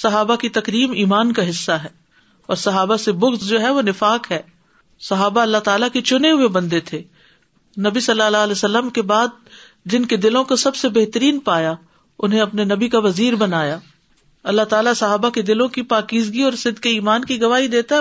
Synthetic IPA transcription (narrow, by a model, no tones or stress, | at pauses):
sɐɦaːbakit̪ɐkɾiːmiːmaːnkaɦɪsːaɦɛː | ɔ̰ːɾsɐɦaːbasebʊxzd͡ʒoːɦɛʋonɪfaːkɦɛː | sɐɦaːbaɐlːat̪aːlaket͡ʃʊneɦʊebɐ̃nd̪et̪ʰeː | nɐbisɐlːalalɛsɐlːəmkebaːd̪̚ | d͡ʒɪnked̪ɪlõkosɐbsebeɦt̪əɾiːnpaːja | ʊnɦẽɐpnenɐbikaʋɐziːɾbɐnaːjaː | ɐlːaɦt̪aːlasɐɦaːbaked̪ɪlõkipaːkiːzɡiɔːɾsɪd̪keiːmaːnkiɡɐʋaːɦid̪eːt̪aɦ